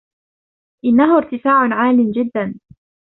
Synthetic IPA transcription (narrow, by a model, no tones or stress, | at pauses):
ʔɪnːaɦʊɾt̪ɪfaːʕnʕaːlɪmd͡ʒɪd̪ːan